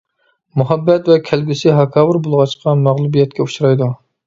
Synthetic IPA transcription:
muɦɛbːɛt̪vɛkʲʰælɡʲysɪɦɑkʰɑːwɨɾbolˠʁɑt͡ʃqɑmæʁlˠubijɛt̪̚kʲɛuʃɾɑjd̪u

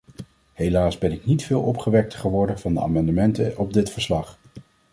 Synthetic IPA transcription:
ɦejlaːsbɛnɪknitfɪːlˠɔpχəʋɛk̚təχəʋɔɹdənv̥ɑndəa̰ːmɑndəmɛntəɔb̚dɪtfəɹslɑχ

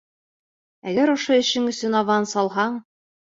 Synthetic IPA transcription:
æɡæɾŏʃoɵ̆ɕɘŋɵ̆sɵnɑvɑnsɑlˠɦɑɴ

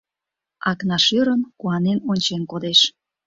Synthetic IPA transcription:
ɑknɑʃøɾənkuɑnenonʲt͡ɕenkod̪eʃ

